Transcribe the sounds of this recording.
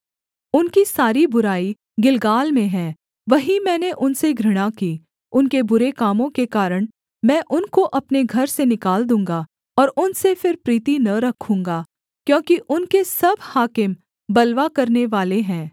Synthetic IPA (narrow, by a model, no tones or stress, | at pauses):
ʊnkisaːɾibʊɾaːi | ɡɪlɡaːlmẽɦɛ̃ː | ʋɐɦimɛ̃ːneʔʊnseɡʱɾɐɽ̃akiː | ʊnkebʊɾekaːmõkekaːɾəɽ̃ | mɛ̃ːʔʊnkoʔɐpneɡʱɐɾsenɪkaːld̪ũːŋɡa | ɔːɾʊnsefɪɾpɾiːt̪inɐɾɐkʰũːŋɡaː | kjõːkiʔʊnkesɐbhaːkɪm | bɐlʋakɐɾneʋaːleɦɛ̃ː